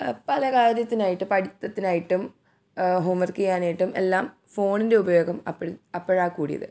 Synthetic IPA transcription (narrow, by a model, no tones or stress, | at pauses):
pɐlɐkaːɾjɐt̪ːinaːjiʈːɨpɐɽit̪ːɐt̪ːinaːjiʈːum | ɦoːmɐrkɐjaːnaːjiʈːume̞̰lːaːm | fo̞ːɳinde̞ubɐjo̞ːɡɐmɐ̰pːɐɐpːɐɻaːkːuːɽijɐ̰ðɨ̰